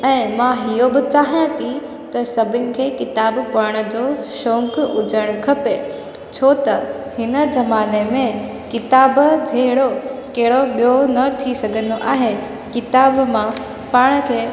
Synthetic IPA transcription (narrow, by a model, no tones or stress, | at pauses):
ɛ̃ːmãɦijobɪt͡ɕaːɦijãt̪ʰi | t̪ɐsɐbʱɪnɪ̆kʰeːkɪt̪aːbpaːɽ̃ə̆d͡ʑoːʃɔ̃ːŋkʊd͡ʑəɽ̃kʰɐpe | t͡ɕʰoːt̪ɐhɪnə̆zɐmaːnemẽ | kɪt̪aːbd͡ʑʱeɦɪɽokɐɦɪɽoɓijonɐt̪ʰisɐɡʱə̃nd̪oʔaːɦe | kɪt̪aːbmã | paːɽ̃ə̆kʰeː